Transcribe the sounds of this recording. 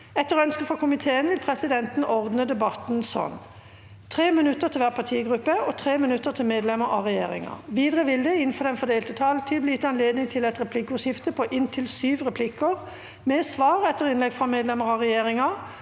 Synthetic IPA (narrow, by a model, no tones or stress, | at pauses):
ɛt̪ːəʁœnskəfʁɔkʰʊmɪt̪ʰeːənʋɪlpʰʁɛsɪd̪ɛnt̪n̩ʔɔʁd̪nəd̪ɛbɑt̪n̩sɔ̰n | t̪ʰʁeːmɪnʉt̪ːəʁt̪ʰɪlʋæːʁpʰɑt̪ʰiːɡʁʉpːəɔt̪ʰʁeːmɪnʉt̪ːəʁt̪ʰɪlmeːd̪lɛməʁɑʁɛjḛːʁɪ̰ŋɑ̰ʋiːd̪ʁəʋɪld̪ɛɪnfɔd̪ɛnfɔd̪eːlt̪ət̪ʰɑlt̪ʰɪlblɪːɪt̪ːɑnleːd̪nɪŋt̪ʰɪlɛt̪ʁɛpʰlɪkːʊʃɪft̪əpʰɔʔɪnt̪ʰɪlsyːʋʁɛpʰlɪkːəʁ | mɛsʋɑːʁɛt̪ːəʁɪnlɛɡfʁɑmeːd̪lɛməʁɑʁɛjeːʁɪŋɑ